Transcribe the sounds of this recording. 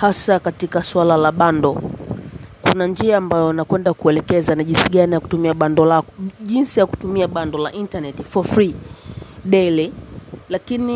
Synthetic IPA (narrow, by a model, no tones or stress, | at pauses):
hasakatikaswalalaɓandɔ | kṵnand͡ʒiaːmbajɔnakwɛndakuɛlɛkɛzanaʄinsiɠanijaku̥tumiaɓandɔlakɔʄinsijaku̥tumiaɓandɔla̰ʔintanɛtifɔfɾi | ɗɛlilakini